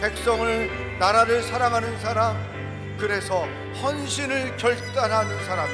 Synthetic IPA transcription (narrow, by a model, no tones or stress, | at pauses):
pek̚s͈ʌŋɯɭ | naɾaɾɯɭsʰaɾaŋɦanɯns̬ʰaɾam | kɯɾe̞sʰʌ | hʌnɕʰinɯɭkjʌɭt͈anɦanɯnsʰaɾam